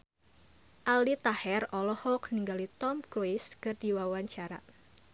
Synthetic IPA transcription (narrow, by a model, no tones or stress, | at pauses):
ʔalit̪ahɛrɔlɔhɔkniŋɡalit̪ɔmɡɾoiskɨrdiwawaɲt͡ʃaɾa̰